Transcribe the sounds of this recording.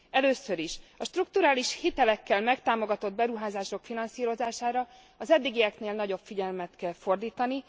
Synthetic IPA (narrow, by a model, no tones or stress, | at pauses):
ɛløːsø̞ɾiʃɒʃt̪ruk̚t̪uɾaːliʃhit̪ɛlɛkːɛlmɛkt̪aːmo̞ɡɒt̪o̞d̪̚bɛɾuɦaːzaːʃo̞kfinɒnsiːɾo̞zaːʃaːɾɒ | ɒzɛd̪ːiɡijɛkneːlnɒɟo̞pfiɟɛlmɛt̪kɛlfo̞rd̪iːt̪ɒni